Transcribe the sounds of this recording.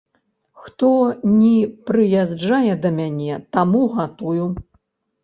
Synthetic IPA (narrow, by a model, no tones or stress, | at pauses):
xt̪ɔnʲipɾɨjazd͡ʐajɛd̪ɐmʲanʲɛt̪amuɣat̪uju